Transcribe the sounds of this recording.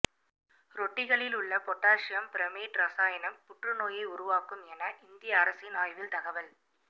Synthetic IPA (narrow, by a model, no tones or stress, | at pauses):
ɾɔʈːɪɣɐɭɪlʊɭːɐpɔʈːaːʂɐjɐmpɪɾɐmeːʈɾɐsaːjɐnɐmpʊʈrɯnoːjɐɪʊɾʊʋaːkɯmɛnɐʔɪnd̪ɪjɐːɾɐsɪnaːjʋɪlt̪ɐɣɐʋɐl